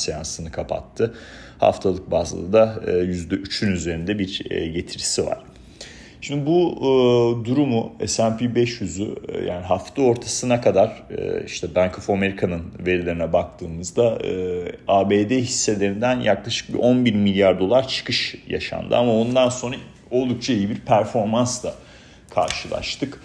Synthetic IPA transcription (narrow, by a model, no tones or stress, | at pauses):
sejansɯnɯkʰapʰa̰t̪ʰːɯ | ha̰ft̪ʰalˠɯk̚baːzla̰ɯd̪aːjyzd̪ɛʔyt͡ʃʰynyze̞ɾind̪ɛbiɾ̰ːɟe̞t̪ʰiɾisiva̰ɾ̥ | ʃʃimd̪ibu | d̪uɾumuɛ̰sæmpʰibɛʃjyzyja̰ːniɦaft̪ʰɯo̞ɾt̪ʰasɯnakʰad̪aɾ̥ɯ̰iʃt̪ʰɛbænkʰofame̞ɾikʰanɯnve̞ɾilʲe̞ɾinɛbak̚t̪ʰɯːmɯzd̪aɯːaːbeːd̪eɦisːe̞lʲe̞ɾind̪ænjʔaklˠaʃɯ̥k̚bḭʔo̞nbiɾmilʲjaɾd̪o̞lˠaɾt͡ʃʰɯ̥kʰɯʃja̰ʃa̰nd̪ɯ̰amao̞nd̪anso̞nɾa | o̞lˠd̪uk̚t͡ʃʰaijibiɾpʰæɾfo̞ɾmansd̪ˠa | kʰa̰ɾʃɯlˠa̰ʃt̪ʰɯk